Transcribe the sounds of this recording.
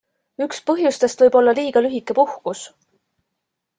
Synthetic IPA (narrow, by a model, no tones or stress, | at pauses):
ykspɤɦjust̪e̞st̪vɤjb̥o̞lːɑliːɡ̥ɑlyɦikːˑepuhkus